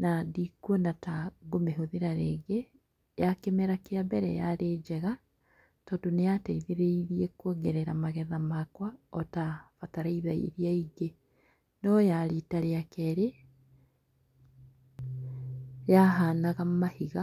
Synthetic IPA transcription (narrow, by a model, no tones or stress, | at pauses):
nadikwɔnataɣomeɦoðeɾaɾeɡe | jakemɛɾakeabɛɾɛ̰jaɾeːd͡ʒɛɣa | tɔdonejataiðeɾeiɾiekwɔɡɛɾɛɾamaɣɛðamakwaɔtafataɾaiðaḭɾiaiɡe | nɔjaɾitaɾeakɛɾe | jaɦaːnaɣammahiɣa